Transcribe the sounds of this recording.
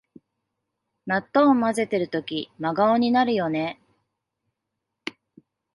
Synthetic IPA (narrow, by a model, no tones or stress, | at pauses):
nat̪ːoːmaze̞t̪e̞ɾɯ̟t̪o̞kʲimaɡaoɲ̟inaɾɯ̟jo̞ne̞